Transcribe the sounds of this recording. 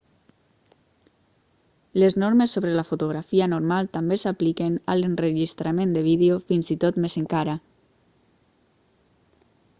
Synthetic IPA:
leznoɾmesːoβɾelafut̪uɣ̞ɾafianoɾmalˠt̪ambesaplikena̰lenreʒist̪ɾamẽnd̪eβ̞iðeofinzit̪ot̪mezeŋkaɾa

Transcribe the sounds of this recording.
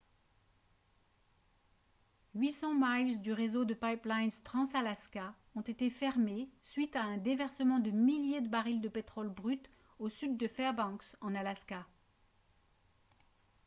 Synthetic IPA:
ɥisɑ̃majlzd̪yʁezod̪əpajplajnst̪χɑ̃salaska | ɔ̃t̪et̪efɛʁmesɥit̪aɛ̃d̪evɛʁsəmɑ̃d̪əmiljed̪əbaʁild̪əpet̪χɔlbʁyt̪ | osyd̪ːəfɛʁbɑ̃ksɑ̃nalaska

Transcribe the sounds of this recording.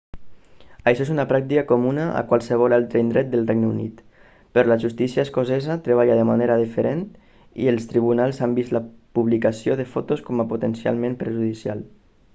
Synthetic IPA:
əjʃɔezunəpɾak̚t̪ikəkomunəʔə̰kwalˠsəβ̞ɔlalˠt̪ɾəind̪ɾɛt̪̚d̪əlˠrejɡnəunḭt̪ | pəɾlaʒust̪isjəeskozɛzat̪ɾəβ̞aʎaðəmaneɾəðifəɾen | ḭəlˠst̪ɾiβ̞unalˠsambizlapuβlikəsioðəfɔt̪oskɔməpot̪ənsja̰lˠmẽmpɾəʒuðisja̰lˠ

